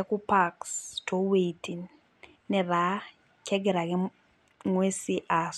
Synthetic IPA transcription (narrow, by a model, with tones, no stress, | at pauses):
ɛ˦ku˦pa˦kstʰo˦we˨tʰi˨n | nɛ˨ða˨˦ | kʰɛ˦ɡɛ˨ɾa˨kɛ˦ | ŋwe˦si˦ʔa˨s